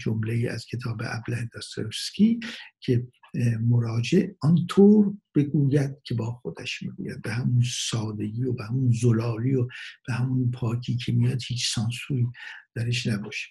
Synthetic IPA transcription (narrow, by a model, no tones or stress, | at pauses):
d͡ʒomleiːʔæ̰z̥cʲʰe̞t̪ʰɒːbeʔæ̰blænd̪ɒst̪ʰoɾeskʲʰiːkʰe | moɾɒːd͡ʒeʔɒnt̪ʰoːɾb̥e̞ɡuːjæd̪̥̚cʰe̞bɒːxo̞d̪æʃmḭɡṵːjæ̰d̪̚behæmunsɒːd̪e̞ɡiːobehæmunzolɒːɾiob̥ehæmunpʰɒːcʰiːkʰe̞mijɒd̪hiːt͡ʃʰsɒnsuːɾiːd̪̥æɾeʃnæbɒːʃe̥